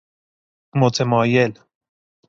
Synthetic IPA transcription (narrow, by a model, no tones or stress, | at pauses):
mot͡semoajel